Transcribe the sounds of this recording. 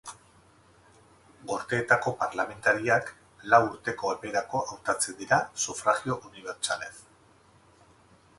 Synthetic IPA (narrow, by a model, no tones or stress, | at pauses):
ɡo̞ɾt̪e̞ːt̪ako̞paɾlame̞nt̪aɾiak | lawuɾt̪e̞ko̞epe̞ɾako̞ʔawt̪at͡se̞nd̪iɾasufɾaɣio̞ʔuniβ̞e̞ɾt͡sale̞s